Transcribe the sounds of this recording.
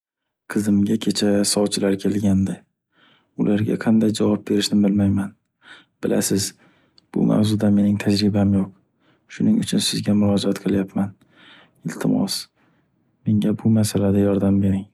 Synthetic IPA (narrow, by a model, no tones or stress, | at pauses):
qʰɨzɪmɡʲakʲʰe̞t͡ʃʰasɒwt͡ʃʰɪlaɾkʲʰe̞lɡʲand̪ɪ | ʊlʔaɾɡʲa̰qʰɑnd̪ajd͡ʒavɒp̚be̞ɾɪʃnɪbɪlmajman | b̥ɪla̰sɪz | b̥ʊ̰mʔa̰wzʊd̪ame̞nɪŋt̪ʰad͡ʒɾɪbamjoq̚ | ʃʊnɪŋʊt͡ʃʰʊnsɪzɡʲamʊɾɒd͡ʒat̪qʰɨlˠjapman | ɪlt̪ʰɪmɒ̰s | me̞ŋɡʲabʊmasalad̪ajɒɾd̪ambe̞ɾɪŋ